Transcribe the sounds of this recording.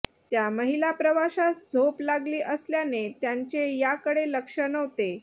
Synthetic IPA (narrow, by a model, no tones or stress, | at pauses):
t̪jaməɦilapɾəʋaɕasd͡zʱoplaɡliːʔəsljanet̪jaɲt͡ɕejakəɽeləkʂənəʋt̪e